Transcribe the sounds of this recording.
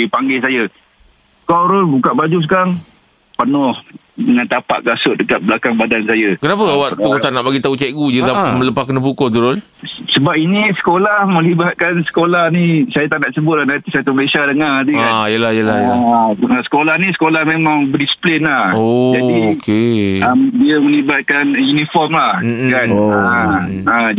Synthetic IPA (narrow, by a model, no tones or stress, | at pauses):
ipaŋɡesaja | kaɾʊlbukaʔbad͡ʒus̬kaŋ | pənɔh | dəŋant̪apa̰ʔ̚kasʊʔ̪̚dəkat̪̚blakaŋbadansajakənap̬əawaʔ̪ukot̪anaʔbaɡit̪aut͡ʃaiʔɡud͡ʒut̪amələpakənəpukɔt̪̬uɾʊl | səbap̚inisə̥kolahməlibat̪̚kansə̥kolahnisajat̪aʔnaʔsəbʊt̪̚lahnat̪isajat̪uməlesadəŋadiaijəlajəlahjjəlaasə̥kolahnisə̥kolahmemãŋbədisi̥plɪnlahod͡ʒaikeəmdiəmə̃libat̪̚kanjunifɔrmlahm̩kana | a